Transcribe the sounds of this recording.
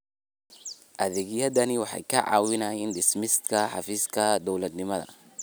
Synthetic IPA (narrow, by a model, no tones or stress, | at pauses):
ʔɐðɛɡijɐd̪ɐniwɑħɑ̰jkɐʕa̰ːwinajɪnd̪ɛsmɪst̪kʰɐħɑ̰fiːskʰɐd̪ɔwlɐd̪nɪmɐðɐ̰